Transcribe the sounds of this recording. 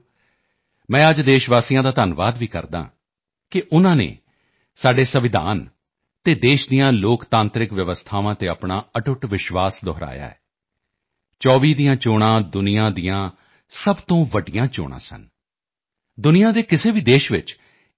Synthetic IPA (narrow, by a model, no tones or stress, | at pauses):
mɛ̃ːəd͡ʒd̪eːʃʋaːsijãːd̪aːt̪aːnʋaːd̪ʋiːkə̰ɾd̪a̰ː | kɪʔʊnãːnḛː | saːɖeːsəʋɪd̪a̰ːn | t̪eːd̪eːʃd̪ijãːloːkt̪ãːnt̪ɾɪkʋjəʋəst̪ʰaːʋãːt̪eːapɳaːəʈʊʈʋɪʃʋaːsd̪ɔːɾa̰ːja̰ːɛ̰ː | t͡ʃɔːʋiːd̪ijãːt͡ʃoːɽ̃ãːd̪ʊnɪjãːd̪ijãː | səbt̪õːʋəɖɪjãːt͡ʃo̰ːɽ̃ã̰ːsə̰n | d̪ʊnɪjãːd̪eːkɪseːbiːd̪eːʃʋɪ̰t͡ʃ